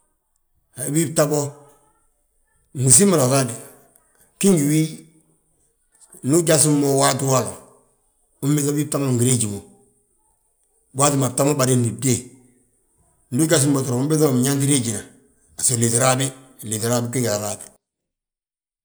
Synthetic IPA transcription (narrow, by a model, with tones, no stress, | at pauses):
a˨˦bi˦b̚ta˦bo˦ | mu˨s̬i˦ma˨ɾa˨ɾa˦d | ki˦ŋɡi˨wi˦ | nu˦ɟa˦s̬i˦mːo˨wa˦tu˦wa˦lo˨ | u˦mbe˦ka˦biː˦b̚ta˦mo˦ŋɡi˨ɾe˦d͡ʒi˨mo˨ | bwa˦ti˨ma˨ta˦mo˦ba˨de˦ndi˨de˦ | ndu˦ɟa˦s̬i˦mbo˨tu˨ɾo˨mu˦mbe˦za˦ma˨m˨ɲa˦nti˦ɾe˦ɟi˨na˨ | a˨so˨le˨tɾa˦bi˦˨ | le˨tɾa˦bi˦k̬i˦ɡɾa˨ɾad